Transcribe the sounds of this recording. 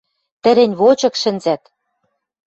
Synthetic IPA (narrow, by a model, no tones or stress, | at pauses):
t̪ɘ̆ɾĕnʲβot͡ɕɤ̆kʃɘ̆nzæt̪